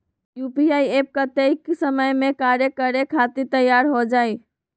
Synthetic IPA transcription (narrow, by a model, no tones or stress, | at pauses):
jupiajep̚kət̪eiksəməjmekaɾjekəɾekʰat̪it̪əjaɾɦod͡ʒaj